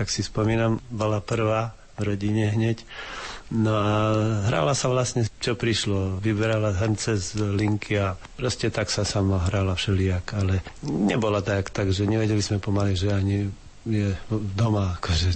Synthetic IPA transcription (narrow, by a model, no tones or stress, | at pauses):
t̪aksispɔmiːnambɔlapr̩ʋaː | vɾɔɟiɲɛɦɲɛc | nɔaɦɾa̰ːlasaʋlasɲɛt͡ʃɔpɾiʃlɔʋibɛɾalaɦrnt͡sɛzliŋkʰia | pɾɔscɛt̪aksasamɔɦɾaːlafʃɛliakalɛɲɛbɔlat̪akt̪aɡʒɛɲɛʋɛɟɛlizmɛpɔmaliʒɛaɲi | jɛd̪ɔmaːkʰɔʒɛ